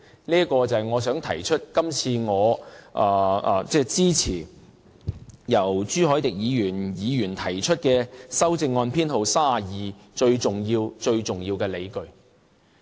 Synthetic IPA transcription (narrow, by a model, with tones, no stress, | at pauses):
niː˥ɐ˥kɔː˧t͡sɐ˨jŋɔː˨˧sœː˨˥ŋt̪ʰɐ˨˩jt͡ʃʰɵ˥t̚kɐ˥mt͡sʰiː˧ŋɔː˨˧ʔaː˨˩aː˨t͡sɛː˥˧t͡siː˥t͡sʰiː˨˩ | jɐ˨˩wt͡ʃyː˥ɦɔː˨˥jt̪ɪ˨k̚jiː˨˧jyː˨˩njiː˨˧jyː˨˩nt̪ʰɐ˨˩jt͡ʃʰɵ˥t̚kɛː˧sɐ˥wt͡sɪ˧ŋːɔː˧npʰiː˥nho˨wsaː˥˨jiː˨ | t͡ʃɵ˧ɥt͡sʊ˨ŋjiː˧wt͡ʃɵ˧ɥt͡sʊ˨ŋjiː˧wkɛː˧le˨˧jkɵ˧ɥ